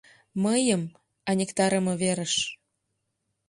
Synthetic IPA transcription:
məjəm | ɑnʲekt̪ɑɾəmɤ̆βeɾəʃ

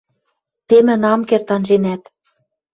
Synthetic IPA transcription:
t̪emɘ̆nɑmkert̪ɑnʒenæt̪

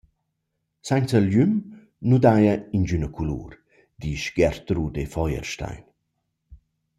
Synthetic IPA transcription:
sajnt͡səljym | nud̪ajəind͡ʒynəkʰulṵːɾ | d̪iːʃɡɛɾt̪ɾudefɔjə̰ɾʃta̰jn

